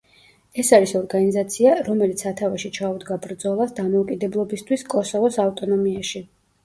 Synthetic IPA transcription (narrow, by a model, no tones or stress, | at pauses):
ɛsaɾisɔɾɡanizat̪sʰiaɾɔmɛlit̪sʰat̪ʰavaʃit͡ʃʰaud̪ɡabɾd̪zɔlˠasd̪amɔukʼid̪ɛblˠɔbist̪ʰwiskʼɔsɔvɔsaft̪ʼɔnɔmiaʃi